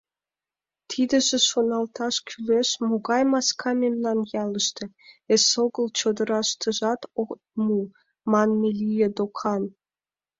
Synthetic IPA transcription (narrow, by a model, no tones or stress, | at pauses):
t̪ʰid̪ə̆ʒĕʃonɑlt̪ɑʃkʲʰyleʃmoɣɑjmɑskʰɑmemlɑnjɑləʃt̪ĕ | esoɣəlt͡ɕod̪ə̆ɾɑʃt̪ʰə̆ʒɑt̪okt̪̚mu | mɑnmelʲijed̪okʰɑn